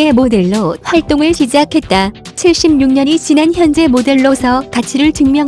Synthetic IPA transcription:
e̞mode̞ɭːoɸwaɭt͈oŋɯɭɕid͡ʑakʰe̞t̚t͈at͡ɕʰiɭɕ͈ibɲuŋɲʌɲit͡ɕinançjʌnd͡ʑe̞mode̞ɭːosʰʌkat͡ɕʰiɾɯɭtɯŋmjʌŋ

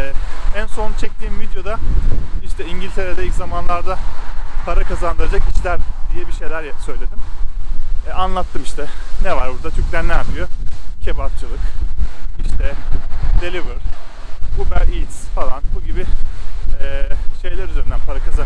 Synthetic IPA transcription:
ɛænso̞nt͡ʃʰɛc̚t̪ʰiːmvid̪jo̞d̪aiʃt̪ʰɛiɲɟilʲt̪ʰe̞ɾed̪ɛilʲczamanlˠaɾd̪apʰaɾakazand̪ɯɾad͡ʒakʰiʃlʲæɾd̪ijɛbiʃe̞jlʲæɾjɛsø̞jlʲe̞d̪im | ɛanlˠat̪ʰːɯmiʃt̪ʰɛnɛvaɾbuɾd̪at̪ʰyɾclʲænʲæɾmijocʰebakt͡ʃʰɯlˠɯk | iʃt̪ʰɛd̪̥elʲivɯɾ̥ | kʰubæɾilʲsfalˠanbuɟibɪ | ɛːʃe̞jlʲæɾyzeɾind̪ænpʰaɾakʰaza

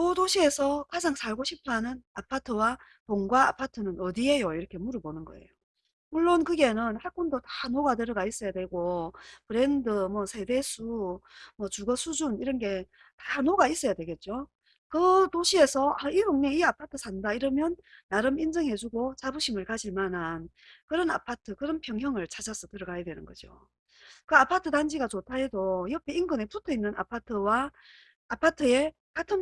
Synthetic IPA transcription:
kɯtoɕʰie̞sʰʌkad͡ʑaŋsʰaɭɡoɕʰipʰanɯnapʰatʰɯwa | poŋɡwaapʰatʰɯnɯnʌdie̞joiɾʌkʰe̞muɾɯbonɯnɡʌ̰ḛjo | muɭːonkɯɡe̞nɯnhak͈ondotanoɡateɾʌɡais͈ʌjadwe̞ɡopɯɾendɯmwʌsʰe̞be̞sʰumwʌt͡ɕuɡʌsʰud͡ʑuniɾʌnɡe̞ | tḁnoɡais͈ʌjadwe̞ɡe̞t̚t͡ɕ͈o | kɯtoɕʰie̞sʰʌaiɡoŋneiapʰatʰɯsʰandaiɾʌmjʌnːaɾɯmind͡ʑʌŋɦe̞d͡ʑuɡot͡ɕabuɕʰimɯɭkad͡ʑiɭmanan | kɯɾʌna̰pʰatʰɯkɯɾʌnpʰjʌŋɦjʌŋɯɭt͡ɕʰad͡ʑasʰʌtɯɾʌɡajadwe̞nɯnɡʌd͡ʑo̰ | kɯapʰatʰɯtand͡ʑiɡat͡ɕotʰaɦe̞dojʌpʰeinɡɯne̞putʰʌinːɯna̰pʰatʰɯwa | apʰatʰɯe̞ | katʰɯn

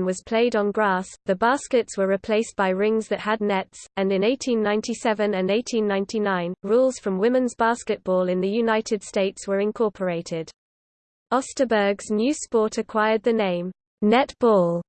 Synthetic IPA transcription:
nwɒz̥pʰl̥eɪdn̩ɡɹɑˑsðəbɑˑskɪtswəɹɪpʰl̥eɪsb̥aɪɹɪ̃ŋzðəthədⁿnɛtsə̃nɪ̃neɪtʰĩnːãɪ̃ntʰisɛvə̃nə̃neɪtʰĩnːãɪ̃ntʰinãɪ̃nɹuːlˠz̥fɹə̃mwɪ̃mɪ̃nzbɑˑskɪt̚b̥ɔːlˠɪ̃nðəjʉnaɪtʰɪd̥steɪtswəɹɪ̃nkʰɔˑpʰəɹeɪtʰɪd̥ | ɒstəbɜ˞ɡznjʉːspɔˑtʰəkʰw̥aɪəd̪̚ðənẽɪ̃m | nɛtb̥ɔːlˠ

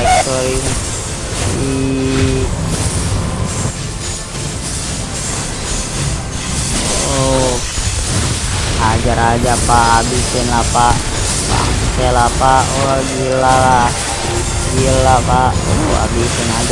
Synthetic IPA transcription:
ɛk̚t̪ɔɾi | i | ad͡ʒaɾad͡ʒapaːbisɛnlapa | pa̰sɛlapaoɡilala | ɡilːapao̰a̰bisɛnad͡ʒ

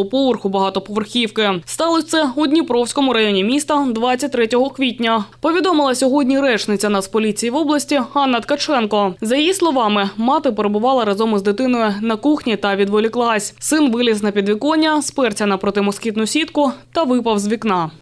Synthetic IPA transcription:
ʊpɔʋɔrxʊbɐɦɑt̪ɔpɔʋɔrxʲiwkɪst̪ɑlˠɔt̪sɛud̪ʲnʲipɾɔwsʲkɔmʊɾɐjɔnʲimʲist̪ɐd̪ʋɑt͡sʲːɐt̚ʲt̪ɾɛtʲɔɦɔkʋʲitʲnʲɐpɔʋʲid̪ɔmɨlˠɐsʲɔɦɔdʲnʲiɾɛt͡ʃnɪt͡sʲɐnɑspɔlʲit͡sʲijiʋɔblˠɐsʲtʲiɦɑnːɐt̪kɐt͡ʃɛnkɔzɐjɐjislˠɔʋɑmɪmɑt̪ɪpeɾebʊʋɑlˠɐɾɐzɔmɪzd̪ɪt̪ɪnɔjʊnɐkuxnʲit̪ɐʋʲid̪ʋɔlʲiklˠɑsʲsɪnʋɪlʲɪsnɐpʲid̪ʋʲikɔnʲːɐspɛrt͡sʲɐnɐpɾɔt̪ɪmɔskʲit̪nʊsʲit̪kʊt̪ɐʋɪpɐwzʲʋʲiknɑ

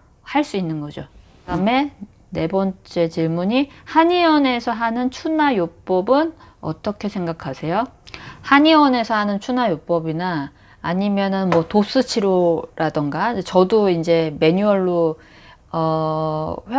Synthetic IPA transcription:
haɭs͈uinːɯnɡʌd͡ʑo̰ | ame̞ | ne̞bʌnt͡ɕ͈e̞t͡ɕiɭmuɲihaɲiʌne̞sʰʌɦanɯnt͡ɕʰunajop͈ʌbɯnʌ̰t͈ʌkʰe̞sʰeŋɡakʰasʰe̞johaɲiʌne̞sʰʌɦanɯnt͡ɕʰunajop͈ʌbinaː | ɲimjʌnɯnmwʌtos͈ɯt͡ɕʰiɾoɾadɯŋɡat͡ɕʌdoind͡ʑe̞me̞ɲuʌɭːo | ʌ

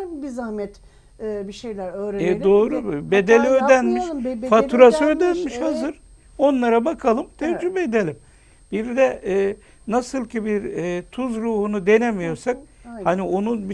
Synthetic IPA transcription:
bizahmɛt̪ː | biʃejlʲæɾøːɾd̪o̞ːɾubed̪elʲiød̪ænmiʃfauɾasɯød̪ænmiʃhazɯɾ | o̞nlˠaɾabakʰalˠɯmt̪ʰɛvd͡ʒybɛːd̪elʲim | biɾd̪ɛɛː | nasɯlˠcibiɾːt̪ʰuzɾuːhunud̪e̞nemijo̞ɾsak̚hanio̞nub

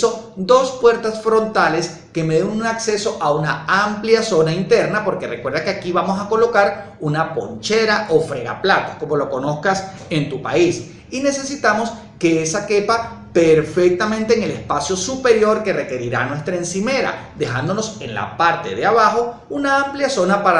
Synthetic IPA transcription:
o̞d̪o̞spwe̞ɾt̪asfɾo̞nt̪ale̞s | ke̞meðenunakse̞so̞ʔaunaampljaso̞naint̪e̞ɾnapo̞ɾke̞rekwe̞ɾðakeakiβamo̞sako̞lo̞kaɾ | unapo̞̰ɲt͡ʃe̞ɾaʔo̞fɾe̞ɣa̰plat̪o̥ko̞mo̞lo̞ko̞no̞skas | e̞nt̪upa̰is | ine̞se̞sit̪amo̞s | ke̞esake̞pa | pe̞ɾfek̚t̪amẽnt̪eːŋe̞lespasjo̞supe̞ɾjo̞ɾke̞re̞ke̞ɾiɾa̰nwe̞st̪ɾae̞nsime̞ɾa̰d̪e̞xand̪o̞no̞se̞̰nla̰paɾt̪e̞̰ðeaβaxo̞unaampljaso̞napaɾa

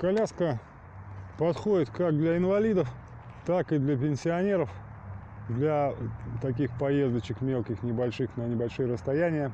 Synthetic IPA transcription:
kɐlʲaskə | pɐt̪xo̞dʲɪt̪kakd̪lʲɐɪnvɐlʲid̪əf | t̪akɨd̪lʲɐp̬ʲɪnʲsʲɪɐnʲe̞ɾəf | d̪lʲɐt̪ɐk̬ʲixpɐje̞zd̪ət͡ɕɪkmʲe̞lˠkʲɪxnʲɪbɐlʲʂɨxnənʲɪbɐlʲʂɨjəɾəst̪ɐjænʲɪjə

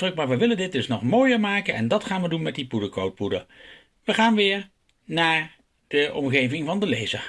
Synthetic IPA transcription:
rɵk̚maːɹʋəʋɪləndɪt̚dɵsnɔχmoːjəɹmaːkənɛndɑtχaːnʋədunmɛt̚dipudəkowt̚pudə | ʋəχaːnʋɪːɹ | naːɹ | d̥əʔɔmχejvɪŋvɑndəlejzə̰ɹ

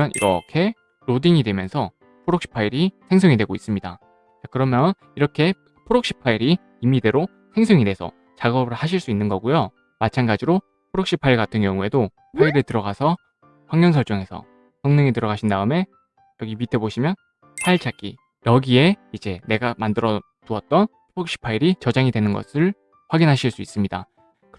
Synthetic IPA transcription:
jʌnʔḭɾʌ̰kʰe̞ | ɾodiŋidwe̞mjʌnsʰʌ | pʰoɾok̚ɕ͈i̥pʰaiɾisʰe̞ŋsʰoŋidwe̞ɡois͈ɯmɲida̰ | t͡ɕakɯɾʌmjʌn | iɾʌkʰe̞ | pʰoɾok̚ɕ͈i̥pʰaiɾi | imide̞ɾo | sʰe̞ŋsʰɯŋidwe̞sʰʌ̰ | t͡ɕaɡʌbɯɭhaɕʰiɭs͈uinːɯnɡʌɡujo | mat͡ɕʰanɡad͡ʑiɾo | pʰoɾok̚ɕ͈ipʰaiɭɡatʰɯnɡjʌŋue̞do | pʰaiɾetɯɾʌɡasʰʌ | ɸwaŋɲjʌnsʰʌɭt͡ɕ͈oŋe̞sʰʌ̰ | sʌŋneŋetɯɾʌɡaɕʰindaɯme̞ | jʌɡimitʰe̞boɕʰimjʌn | pʰaiɭt͡ɕ͈ʰak͈ḭ | jʌɡie̞id͡ʑe̞ne̞ɡamandɯɾʌ | tuʌt̚t͈ʌnpʰoɾok̚ɕ͈i̥pʰaiɾit͡ɕʌd͡ʑaŋidwe̞nɯnɡʌ̰sʰɯɭ | ɸwaɡinɦaɕʰiɭs͈uis͈ɯmɲida̰ | k

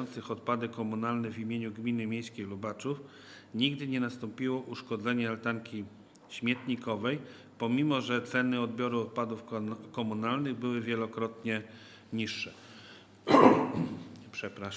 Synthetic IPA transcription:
ɔnt̪sɘxɔt̪̚pad̪ɘkɔmunalnɛvʲimʲjeɲuɡmʲinɘmʲjejskʲejlubat͡ʂuf | ɲiɡd̪ɘɲɛnast̪ɔmpʲiwɔʔuʂkɔd̪zɛɲɛlt̪aŋkʲi | ɕmʲjɛt̪ɲikɔvɛj | pɔmʲimɔʐɛt̪sɛnɘɔd̪̚bʲjɔɾuɔt̪̚pad̪ufkɔmunalnɘɣbɘwɘvʲjɛlɔkɾɔt̪ɲɛ | ɲiʂːɛ | pʂɛpɾaʂ

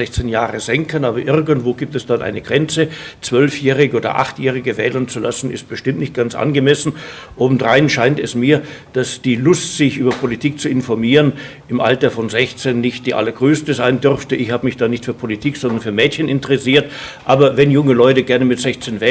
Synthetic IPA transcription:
ɛçt͡senjaːʁəzɛŋkənaːbɐʔɪʁɡən̩tv̥oːɡiːp̚tɛsd̥anʔa̰ɪnəɡ̥ʁɛnt͡sət͡sv̥œlfjɛːʁ̞ɪɡəoːdɐ̰ʔa̰χtjɛːʁ̞ɪɡəvɛːlənt͡sula̰sn̩ɪ̰st̚b̥əʃtɪmtnɪçt̚ɡ̥ant͡sʔa̰nɡəmɛsn̩ʔoːbm̩dʁaɪnʃaɪntɛsmiːɐd̥asd̥iːlʊstz̥ɪçʔyːbɐpʰolitʰiːk̚t͡suɪnfɔɐmiːʁənʔɪmʔa̰ltɐfɔnzɛçt͡senːɪçt̚d̥iːʔa̰lɐɡʁøːstəzaɪndʏʁftəʔɪçhaːbəmɪçd̥aːnɪçtfyːɐpʰolitʰiːkz̥ɔndɐnfyːɐmɛːtçənʔɪntəʁɛsiːɐtʔaːbɐvɛnjʊŋəlɔʏtəɡɛɐnəmɪtz̥ɛçt͡senvɛː

